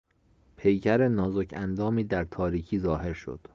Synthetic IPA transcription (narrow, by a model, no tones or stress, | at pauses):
pʰe̞jcʰæɾenɒːzocʰænd̪ɒːmiːd̪æɾt̪ʰɒːɾiːcʰiːzɒːhe̞ɾʃo̞̰d̪̥